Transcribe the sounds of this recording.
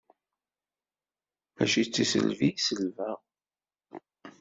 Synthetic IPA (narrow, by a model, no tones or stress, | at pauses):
æ̰ʃit͡sːisə̰lviisəlvæʁ